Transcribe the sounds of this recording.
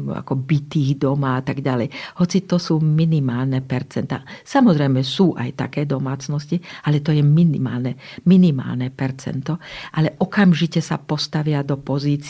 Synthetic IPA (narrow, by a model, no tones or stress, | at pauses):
a̰kɔbit̪iːɣd̪ɔmaat̪aɡɟalɛjhɔt͡sit̪ɔsuːminimaːlnɛpɛɾt͡sɛnt̪a̰ːsamɔzɾɛjmɛsuːʔa̰jt̪a̰kɛːd̪ɔmaːt͡snɔscialɛt̪ɔjɛminḭmaːlnɛminima̰ːlnɛpɛɾt͡sɛ̰nt̪ɔʔalɛʔɔkamʒicɛsapɔst̪aʋɪad̪ɔpɔziːt͡s